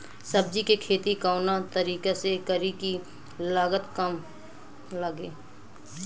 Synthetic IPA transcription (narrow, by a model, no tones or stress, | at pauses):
sɐb̚d͡ʒikekʰeːt̪ikaːʊnat̪əɾiːkesekəɾiki | laːɡət̪kəm | ləɡeː